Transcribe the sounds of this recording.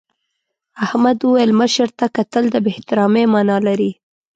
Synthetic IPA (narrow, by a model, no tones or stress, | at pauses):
ahmad̪uwajlməʃəɾt̪akat̪əld̪əbeht̪ɪɾɑmemɑnɑlaɾi